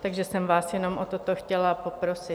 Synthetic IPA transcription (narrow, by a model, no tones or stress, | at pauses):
t̪aɡʒɛsɛmvaːsjɛno̞mʔot̪ot̪oxcɛlapopɾo̞sɪ